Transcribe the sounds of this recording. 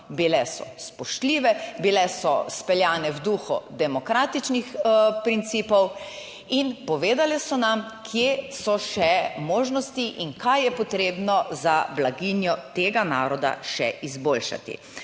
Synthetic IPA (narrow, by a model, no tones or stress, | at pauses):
bilɛsɔ̰spɔʃt̪liːʋɛbilɛsɔspɛljaːnɛwd̪uxɔ̰d̪ɛmɔkɾaːt̪it͡ʃnixpɾint̪siːpɔw | inpɔʋeːd̪alɛsɔnamkʰjesɔʃɛmoːʒnɔst̪iʔiŋkʰajjɛpɔt̪ɾeːbnɔzablaɡinjɔt̪eːɡana̰ːɾɔd̪a̰ʃɛ̰ʔizbolʃa̰t̪ḭ